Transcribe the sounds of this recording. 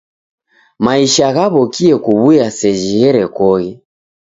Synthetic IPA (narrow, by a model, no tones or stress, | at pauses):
maiʃaɣaβɔkiɛkuβujasɛʒiɣɛɾɛkɔɣɛ